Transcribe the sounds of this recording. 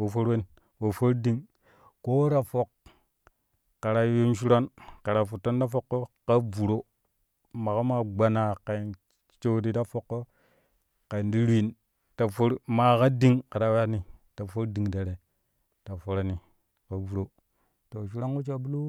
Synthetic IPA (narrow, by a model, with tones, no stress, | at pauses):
wo˨fo˦ɾwe˦n | wo˨fo˦ɾdi˦ŋ | ko˦ɾa˨fo˨k | a˨ɾa˨˦jo˦nʃu˦ɾa˦nka˨ɾa˨fu˨tːo˦nda˦fo˦kːo˦ka˦vu˨ɾo˦ | ma˨ka˦ma˨ɡ͡ba˨na˨ka˨i˨n | t͡ʃo˦di˦da˦fo˦kːo˦ | ka˨i˨ndi˦ɾi˨n | ta˨fo˦ɾma˦˨ka˦di˦ŋka˨ɾa˦wa˦ni˨ta˨fo˦ɾdi˨ŋda˨ɾe˨ | ta˨fo˦ɾa˨ni˨ | ka˨vu˨ɾo˦ | to˨ʃ̬u˦ɾa˦ŋko˦t͡ʃa˨bu˦lu˦